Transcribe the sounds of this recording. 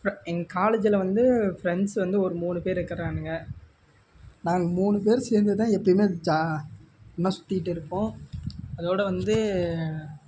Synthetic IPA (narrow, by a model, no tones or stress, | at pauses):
fɛŋɡɐkaːleːd͡ʒɪlɐʋɐnd̪ɯfɾɛɳɖsʋɐnd̪ɯɔɾɯmuːɳɯpeːɾɪɾɯkːɐɾẽːnːɯŋɡɐ | nãːŋɡɐmuːɳɯp̬eːɾseːɾnd̪ɯt̪ãːɛpːɐɽɪmeːd͡ʒa | nːɐsʊ̥t̪ːɪɪʈːɪɾɯkːõːɐðoːɽɐʋɐnd̪ɯ